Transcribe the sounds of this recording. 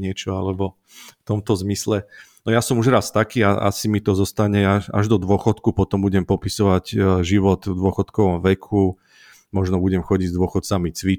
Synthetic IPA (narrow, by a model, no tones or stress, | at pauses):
ɲɪɛt͡ʃɔalɛbɔ | ft̪ɔmt̪ɔzmislɛnɔjasɔmuʒɾast̪akiːaa̰simit̪ɔzɔst̪aɲɛaʃa̰ʒd̪ɔd̪ʊɔxɔt̪kupɔt̪ɔmbuɟɛmpɔpisɔʋaɟʒiʋɔt̪vd̪ʊɔxɔt̪kɔʋɔmʋɛkʰu | mɔʒnɔbuɟɛmxɔɟiɟzd̪ʊɔxɔt̪t͡samit͡sʋi